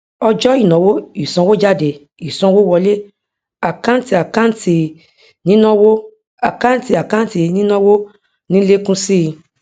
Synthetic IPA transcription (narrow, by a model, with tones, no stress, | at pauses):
ɔ˧d͡ʒɔ˦i˦˨nã˨˦wo˦i˨sɔ̃˧˦wo˦d͡ʒa˦de˧˨ | i˨sɔ̃˧˦wo˦wɔ˧le˦ | a˨kã˦n̩˦ti˧a˨kã˦ti˧ | nĩ˦nã˦wo˦ | a˨ka˦n̩˦ti˧˦a˨kã˦n̩˦ti˧nĩ˦nã˦wo˦ | nĩ˦le˦kũ˦si˦˧